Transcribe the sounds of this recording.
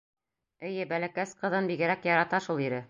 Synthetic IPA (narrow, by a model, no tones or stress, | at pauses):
ɘ̆jɘbælækæsqɤ̆ðɤnbiɡɘ̆ɾækjɑɾɑt̪ɑʃulˠiɾɘ